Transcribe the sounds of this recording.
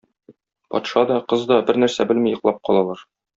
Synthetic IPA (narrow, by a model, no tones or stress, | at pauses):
pɒ̰t̪ʃɑd̪ɒqɤzd̪ɒbɘɾnæɾsæbɘ̆lmijɤ̆qlˠɑp̚qɒ̰lˠɑlˠɑɾ